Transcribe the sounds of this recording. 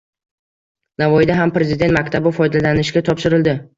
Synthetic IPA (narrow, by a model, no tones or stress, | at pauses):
navɒjɪd̪aɦampɾe̞zɪd̪e̞nt̪makʲt̪ʰabɪfɒjd̪alanɪʃɡʲat̪ʰɒpʃɪɾɪld̪ɪ